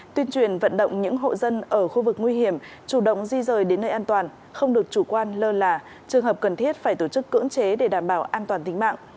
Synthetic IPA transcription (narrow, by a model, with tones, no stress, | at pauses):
t̪wi˧ənt͡ɕwi˧˩ənvə̰˧˨nɗə̰˧˨wŋ͡mɲɨ̰˧˥ŋɦo̰˧˨zə˧nʔəː˧˩xu˧vɨ˨˩k̚ŋwi˧hi˧˩əm | t͡ɕu˧˩ɗə̰˧˨wŋ͡mzi˧zəː˨˩jɗe˨˦nːəː˧jʔaː˧nt̪waː˨˩n | xə˧wŋ͡mɗɨ˨˩ək̚t͡ɕu˧˩kwaː˧nləː˧laː˨˩ | t͡ɕɨ˨˩əŋɦəː˨˩p̚kə˨˩nt̪ʰi˦˥ət̚faː˧˩jt̪o˧˩t͡ɕɨ˦˥kːɨ̰˧˥əŋt͡ɕe˨˦ɗe˧˩ɗaː˧˩mɓaː˧˩wʔaː˧nt̪waː˨˩nt̪ï˨˦ŋ̟ma̰ː˧˨ŋʔ